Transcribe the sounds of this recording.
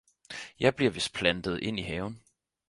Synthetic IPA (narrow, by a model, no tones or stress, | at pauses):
jɑ̈ɪb̥liɐ̰ʋe̝spʰlænd̥əð̞̩ˠʔe̝n̰iɦɛːʊn